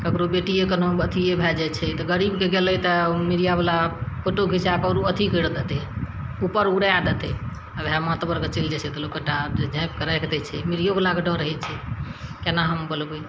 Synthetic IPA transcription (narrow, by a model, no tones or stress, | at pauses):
kəkɾobeʈijekənobət̪ʰiebʱɛd͡ʒɛt͡ʃʰɛt̪ɔɡəɾibkeɡelɛt̪əmiɾijabəlapʰoʈoɡʱisakəɾuət̪ʰikəɽd̪et̪eupəɾuɽaad̪et̪ɛ | əbamat̪bəɾkət͡ʃild͡ʒɛt͡ʃʰɛt̪əlokːəʈad͡ʒʱãp̚kəɾajkd̪ɛt͡ʃʰɛmiɾijobəlakeɖəɾəɦɛt͡ʃʰɛkenaɦəmbəlbe